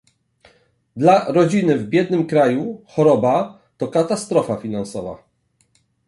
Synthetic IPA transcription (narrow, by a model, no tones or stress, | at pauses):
d̪laɾɔd͡ʑinɘvbʲjɛd̪nɘmkɾajuxɔɾɔba | t̪ɔkat̪ast̪ɾɔfafʲinansɔva̰